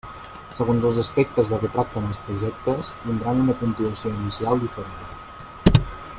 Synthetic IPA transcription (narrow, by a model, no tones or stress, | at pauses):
səɣonzəlˠzəspɛk̚t̪əzðərət̪ɾak̚t̪ənəlˠspɾuʒɛk̚t̪əst̪ind̪ɾanunəkunt̪inəsioinisialˠd̪ifəɾen